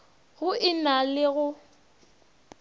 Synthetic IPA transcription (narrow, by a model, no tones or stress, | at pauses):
ɣʊɪnalɪɣʊ